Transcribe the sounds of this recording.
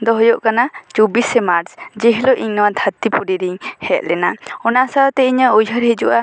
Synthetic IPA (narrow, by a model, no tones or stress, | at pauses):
d̪ɔɦɔjɔʔkanat͡ʃubisɛmaɾsd͡ʒɛɦilɔʔiɲnɔwad̪ʱʰat̪ipuɾiɾiɲhɛt̪̚lɛnaɔnasaɔt̪ɛiɲəujɦəɾhid͡ʒuʔa